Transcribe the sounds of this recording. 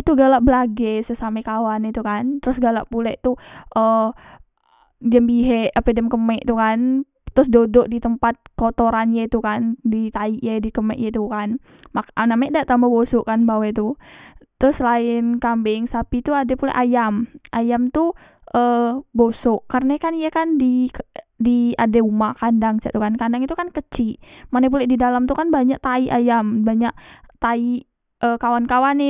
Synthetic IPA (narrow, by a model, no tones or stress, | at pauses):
t̪uɡalaʔbəlaɡɛsəsamɛkawanit̪ukant̪əɾʊsɡala̰ʔpulɛʔt̪uʔə | dəmbiɦɛʔapədəmkəmɛʔt̪ukan | t̪ɾʊs̬dodɔʔdit̪əmpat̪̚kot̪oɾanjait̪ukandit̪aiʔjadikəmɛ̰ʔjat̪ukan | makanamɛʔdaʔt̪ambabosʊʔkanbawɛt̪ut̪ɾʊslaɪnkambeŋsapit̪uadɛpulɛ̰ʔajamʔajamt̪u | ʔəbosoʔkːarənakanijakandikdiadeumakandaŋt͡ʃa̰ʔt̪ukankandaŋit̪ukankət͡ʃimanapulɛdidalamt̪ukanbaɲaʔ̚t̪aiʔajambaɲaʔt̪ai | əkawankawanɪ